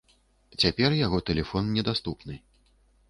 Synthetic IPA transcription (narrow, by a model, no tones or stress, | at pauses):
t͡sʲapʲɛrjaɣɔt̪ɛlʲɛfɔnnʲɛd̪ast̪upnɨ